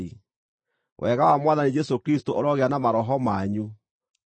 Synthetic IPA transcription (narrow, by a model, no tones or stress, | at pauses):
i | wʔɛɣawamwaðanid͡ʒɛsokɾistoʔoɾɔɣeanamaɾɔɦɔmaɲu